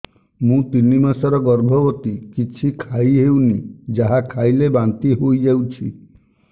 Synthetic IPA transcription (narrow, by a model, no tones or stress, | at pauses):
mũt̪inimasɔɾɔɡɔɾbʱɔbɔt̪ikit͡ʃʰikʰaiɦewnid͡ʒaɦakʰajlebant̪iɦojd͡ʒawt͡ʃʰi